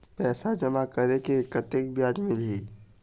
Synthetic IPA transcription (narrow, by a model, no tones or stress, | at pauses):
pɛːsad͡ʒɐmakɐɾekekət̪ek̚bjaːd͡ʒmɪlɦiː